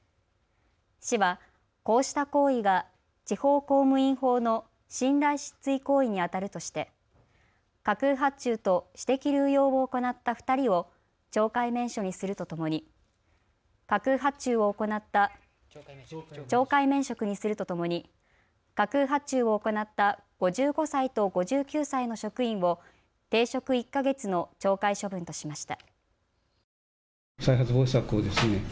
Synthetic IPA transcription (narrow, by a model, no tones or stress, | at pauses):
ɕiβa | ko̞ːɕi̥t̪ako̞ːiɡa | t͡ɕiho̞ːko̞ːmɯ̟ĩɰ̃ho̞ːno̞ | ɕĩnɾaiɕi̥t͡sɨiko̞ːiɲ̟iat̪aɾɯ̟t̪o̞ɕi̥t̪e̞ | kakɯ̟ɦat͡ɕɨːt̪o̞ɕi̥t̪e̞kʲiɾʲɯːjo̞ːboːko̞nat̪ːaɸɯ̟̥t̪aɾʲio̞ | t͡ɕo̞ːkaimẽ̞ɰ̃ɕo̞ɲ̟isɨɾɯ̟t̪o̞t̪o̞mo̞ɲ̟i | kakɯ̟ɦat͡ɕɨːβo̞oko̞nat̪ːa | t͡ɕo̞ːkaimẽ̞ɰ̃ɕo̞kɯ̟ɲ̟isɨɾɯ̟t̪o̞t̪o̞mo̞ɲ̟i | kakɯ̟ɦat͡ɕɨːo̞ːko̞nat̪ːa | ɡ̥o̞ʑɨːɡo̞sait̪o̞ɡo̞ʑɨːkʲɨːsaino̞ɕo̞kɯ̟ĩɰ̃βo̞ | t̪e̞ːɕo̞kɯ̟ikːaɡe̞t͡sɨno̞t͡ɕo̞ːkaiɕo̞bɯ̟̃nt̪o̞ɕimaɕi̥t̪a̰ | saiɦat͡sɨboːɕsakɯod̪esɨne